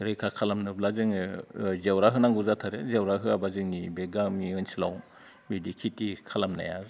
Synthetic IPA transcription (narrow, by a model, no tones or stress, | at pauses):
ɾɯjkʰakʰalamnɯblazɯŋɯzawɾaɦɯnaŋɡuzatʰaɾezawɾaɦɯabazɯŋnibeɡamiɯnsila̰w | midikʰitikʰalamna̰ja̰ɾ